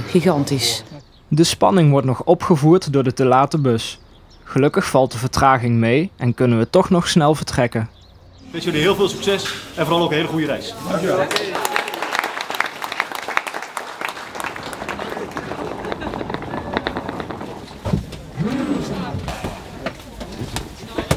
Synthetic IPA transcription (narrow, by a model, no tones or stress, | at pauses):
χiχɑntis | dəspɑ̰nɪŋʋɔɹtnɔxɔpχəvuːɹtdʊːɹdətəlaːtəbɵs | χəlɵkəxfɑlˠt̚dəvəɹtraːɣɪŋmejɛnkɵnənʋətɔχnɔχsnɛlˠvəɹtrɛkən | ʋesjɵliɦɪːlˠvɪːlˠsyksɛsɛnvʊɾɑlˠowknɦejləχujəɾɛjs